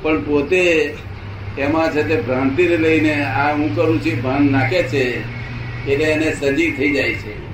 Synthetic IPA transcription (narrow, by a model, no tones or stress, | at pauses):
pəɳpot̪e | emãt͡ʃʰet̪ebɾãnt̪iɾeləineaũkəɾũt͡ʃʰibʱãnnakʰet͡ʃʰe | eleenesəd͡ʒit̪ʰəid͡ʒajt͡ʃʰɛ